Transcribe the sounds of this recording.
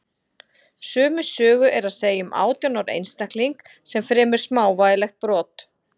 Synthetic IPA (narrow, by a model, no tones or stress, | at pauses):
sʏːmʏsœːɣʏʔɛɾaðseːjʏmʔa̰ːwt̪jɔnaɾḛjnst̪ahkliŋk | sɛmfɾɛːmɪ̥smaːwvajɪlɛxt̪̚pɾɔːt̪